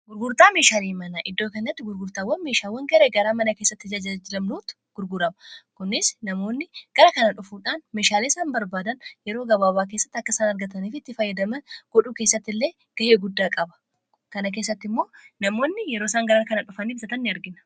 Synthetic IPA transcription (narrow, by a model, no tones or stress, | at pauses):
ɡʊɾɡʊɾt̪aːmeːʃaːliːmɐnaʔɪd̪ːo̞ːkɐnːɐt̪ːɪɡʊɾɡʊɾt̪aːwːɐnme̞ːʃaːwːɐŋɡɐɾeɡɐɾaːmɐnɐkeːsːɐt̪ːɪd͡ʒɐd͡ʒɐd͡ʒɪlɐmnoːt̪ʊ̥ | ɡ̥ʊɾɡʊɾɐmɐkʊnɪsnɐmo̞ːnːɪɡ̥ɐɾɐkɐnɐᶑʊfuːᶑaːnme̞ːʃaːleːsaːnbɐɾbaːd̪ɐnjɛɾoːɡɐβaːbaːk̬e̞ːsːɐ̥t̪ːɐkːɐɪsaːnɐɾɡɐt̪ɐniːfɪt̪ːɪfɐjːɐd̪ɐmɐnɡ̥ɔᶑuːke̞ːsːɐt̪ːɪlːe̞ː | ɡ̥ɐʔeːɡʊd̪ːaːkʼɐbɐ̥ | kɐnɐk̬eːs̬ːɐt̪ːɪmːo̞ːnɐmo̞ːnːɪjɛɾoːsaːŋɡɐɾaːkɐnɐᶑʊfɐniːbsɐt̪ɐnːɪɐɾɡɪnɐ̥